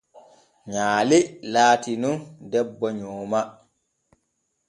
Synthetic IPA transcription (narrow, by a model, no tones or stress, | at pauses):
ɲaːlilaːtinundɛbːɔɲɔːma